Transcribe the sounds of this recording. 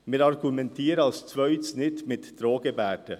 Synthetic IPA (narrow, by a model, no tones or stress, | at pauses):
meːɾɑɾɡʉmɛnt̪ʰeːɾɑlst̪ʰʋœyːt̪snɪt̪meːd̪ɾoːɡəbæːɖə